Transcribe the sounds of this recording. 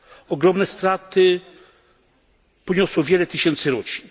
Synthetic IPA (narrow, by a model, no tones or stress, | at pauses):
ɔɡɾɔmnɛst̪ɾat̪ɘ | pɔɲɔswɔvʲjɛlɛt̪ɘɕɛnt̪sɘɾɔt͡ɕin